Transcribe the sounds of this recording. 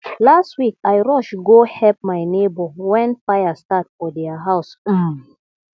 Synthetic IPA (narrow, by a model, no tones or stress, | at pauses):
lastwikajɹɔʃɡohɛp̚majnebɔwɛ̃nfajastatfɔdɛaɦaʊs̩